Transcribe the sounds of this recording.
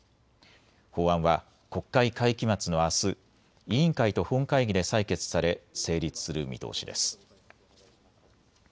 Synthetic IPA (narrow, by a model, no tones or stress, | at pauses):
ho̞ːãɰ̃βa | ko̞kːaikaikʲimat͡sɨno̞asɨ | iĩŋkait̪o̞hõ̞ŋkaiɡʲid̪e̞saike̞t͡sɨ̥saɾe̞se̞ːɾʲit͡sɨ̥sɨɾɯ̟mʲḭt̪o̞̰ːɕid̪e̞sɨ̥